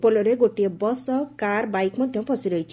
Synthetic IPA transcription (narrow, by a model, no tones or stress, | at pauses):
polɔɾeɡoʈiebɔsɔkaɾbajkmɔd̪ʱjɔmpɔsiɾɔjt͡ʃʰi̥